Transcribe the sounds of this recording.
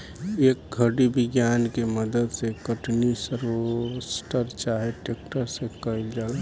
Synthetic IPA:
ek̚ɡʱəɽibɪɡjankeməd̪əd̪sekəʈnisəɾosʈəɾt͡ʃaɦeʈek̚ʈəɾsẽkəild͡ʒaːl

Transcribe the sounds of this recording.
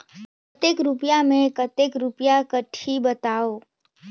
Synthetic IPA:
ət̪ekɾʊpjamẽkət̪ekɾupjakəʈʰibət̪aːoː

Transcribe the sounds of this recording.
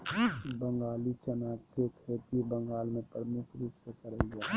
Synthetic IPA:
bəŋɡaːlit͡ʃənaːkkekʰeːt̪ibəŋɡaːlmẽpɾəmukʰɾuːpsekəɾəiɡaː

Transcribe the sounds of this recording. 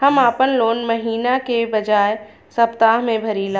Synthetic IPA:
hɐmaːpənloːnmɐɦiːnakebɐd͡ʒaːe | sɐpt̪aːɦmẽbʱɐɾiːlã

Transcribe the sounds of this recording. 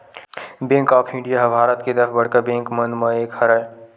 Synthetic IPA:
bẽːŋkaːpʰɪ̃ɳɖijaɦɐbʱaːɾət̪ked̪ɐɾfʰbɐɽkəbẽːŋkmɐ̃nd̪mɐeːkhɐɾa

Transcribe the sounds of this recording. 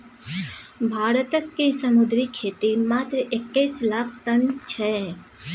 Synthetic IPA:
bʱaːɾət̪əkːesɐmʊd̪ɾikʰeːt̪imaːt̪ɾəʔɪkːəːslaːkʰt̪ənt͡ʃʰɛː

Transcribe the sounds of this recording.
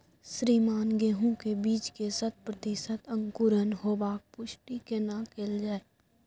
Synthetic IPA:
sɾiːmaːnɡeːɦũkebiːt͡ʃkesət̪̚pɾət̪ɪʃət̪ə̃ŋkʊɾənɦoːbaːk̚pʊʃʈikenakeːld͡ʒaːe

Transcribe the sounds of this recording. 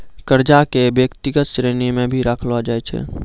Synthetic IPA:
kəɾd͡ʒakebjəkt̪iɡət̪̚t͡ʃɾenimẽbʱiɾakʰlad͡ʒajt͡ʃʰɛ̰

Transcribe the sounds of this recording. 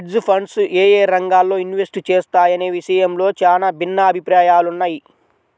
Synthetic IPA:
ʈzpʰɐɳɖseːjeːɾɐŋɡaːlːo̞ːinʋesʈt͡ʃeːst̪aːjɐneːʋiʃɐjɐmlo̞ːt͡ʃaːnaːbʱinːɐːbʱipɾaːjaːlunːaːji

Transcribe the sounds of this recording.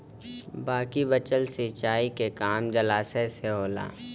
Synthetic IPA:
baːkibət͡ʃəlsiːt͡ʃaːikekaːmd͡ʒɐlaːseseɦoːla̰ː

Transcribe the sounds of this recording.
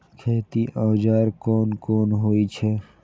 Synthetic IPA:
kʰeːt̪iʔãːd͡ʒaːɾkoːnkoːnɦoːit͡ʃʰeː

